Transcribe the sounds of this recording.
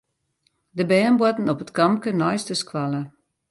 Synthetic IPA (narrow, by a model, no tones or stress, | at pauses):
dəbɛːnbwɔtən̩ɔpətkɑmkənɔjstəskʰwalˠə